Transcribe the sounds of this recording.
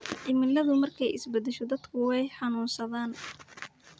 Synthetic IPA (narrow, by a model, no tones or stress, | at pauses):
ʔɪmɪlɐðʊmɐrkʰɛjʔɪ̰sbɐd̪ɛʃɔd̪ɐd̪kʰʊwɛjħɑnuːnsɐðaːn